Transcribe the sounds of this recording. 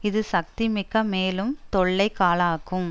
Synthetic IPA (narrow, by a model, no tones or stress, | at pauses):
ɪðɯsɐk̚t̪imɪkːɐmeːlɯmt̪ɔɭːɐɪkːaːlaːkːɯm